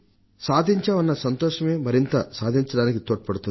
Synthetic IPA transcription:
saːd̪ʱiɲt͡ʃɐːʋɐnːɐsɐnt̪ɔːʂɐme̞ːmɐɾint̪ɐsaːd̪ʱiɲt͡ʃɐɽaːnikit̪oːʈːɐpɐɽut̪un

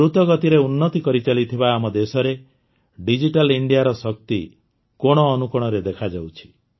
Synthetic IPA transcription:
ɾut̪ɔɡɔt̪iɾeunːɔt̪ikɔɾit͡ʃalit̪ʰibaːmɔd̪esɔɾe | ɖid͡ʒiʈaliɳɖijaɾɔsɔk̚t̪i | kɔɽ̃ɔːnukɔɽ̃ɔɾed̪ekʰad͡ʒawt͡ʃʰi̥

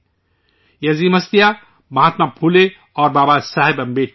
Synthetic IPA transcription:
jɐzimɐst̪ija | bʱãːt̪napʰule | ɔːɾbaːbasaɦebɐmbeʈ

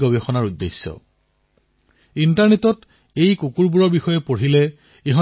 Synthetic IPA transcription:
ɔbexɔnaɹudːesːɔ̰ | intaɹnetɔt | ejkukuɹbuɹɔɹbixɔjepoɹ̤ile | eɦɔ

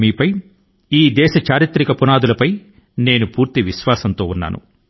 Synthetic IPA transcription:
miːpɐj | iːd̪ɛːʃɐt͡ʃaːɾit̪ɾikɐpunaːd̪ulɐpɐj | ne̞ːnupuːɾt̪iʋiʃʋaːsɐnt̪o̞̰ːunːa̰ːnṵ

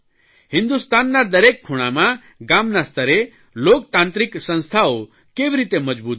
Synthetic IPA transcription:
hɪ̃nd̪ust̪aːnːaɾd̪ɐɾekkʰːuɽ̃amã | ɡamnast̪ʰəɾe | loːkt̪ãːnt̪ɾiksə̃nst̪ʰao | keʋɾit̪eməd͡ʒbuːt̪

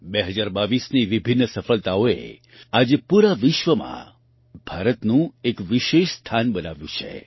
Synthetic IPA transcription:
beɦəd͡ʒaɾbaʋisniʋibʱinːəsəfəɭt̪aoḛ | ad͡ʒepuɾaʋɪʃʋəmã̰ | b̥ʱaɾət̪nũekʋiʃeʃst̪ʰanbənaʋjũt͡ʃʰḛ

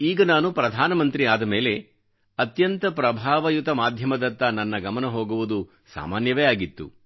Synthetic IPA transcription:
iːɡɐnaːnupɾɐd̪ʱaːnɐmɐnt̪ɾiaːd̪ɐme̞ːle̞ | ɐt̪jɐnt̪ɐpɾɐbʱaːʋɐjut̪ɐmaːd̪ʱjɐmɐd̪ɐnt̪ɐnɐnːɐɡɐmɐnɐɦoːɡuʋud̪u | sa̰ːmaːnjɐʋejaːɡit̪ːṵ

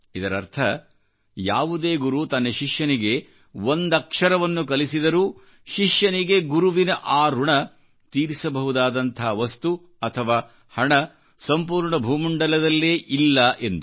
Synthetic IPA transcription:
id̪ɐɾɐ̰ɾt̪ʰɐ | jaːʋud̪eːɡuɾut̪ɐnːeʃiʂjɐniɡe̞ | ʋond̪ɐkʂɐɾɐʋɐnːukɐlisid̪ɐɾuː | ʃiʂjɐniɡe̞ɡuɾuʋinɐʔaːɾuɳɐ | t̪iːɾisɐbɐɦud̪aːd̪ɐnt̪ʰɐɦɐʋɐst̪u | ɐt̪ʰɐʋaː | hɐɳɐ | sɐmpuːɾɳɐbʱuːmuɳɖɐlɐd̪ɐlːeːʔilːɐʔe̞nd̪u

